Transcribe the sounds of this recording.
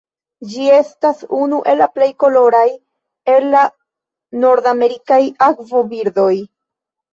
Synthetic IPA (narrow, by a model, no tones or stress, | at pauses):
d͡ʒie̞stasunuʔe̞lːaple̞jko̞lo̞ɾaj | e̞lːa | no̞ɾd̪ame̞ɾikajakvo̞biɾd̪o̞j